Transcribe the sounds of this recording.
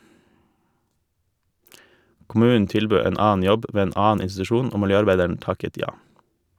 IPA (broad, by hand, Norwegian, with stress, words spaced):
kʊˈmʉːnn̩ ˈtɪlbøː ˈeːn ˈɑːn̩ ˈjɔb ˈʋeː ˈeːn ˈɑːn̩ ɪnstʉˈʃuːn ˈoː mɪlˈjøːɑɾˌbæɪdəɳ̩ ˈtɑkət ˈjɑː